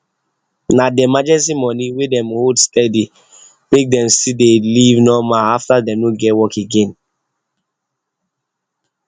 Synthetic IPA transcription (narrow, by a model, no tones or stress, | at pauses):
nadɛmad͡ʒɛstimɔ̃niwedɛ̃mhodstɛdi | mek̚dɛ̃msidelivnɔmaaftadɛ̃mnoɡɛtwɔkeɡẽn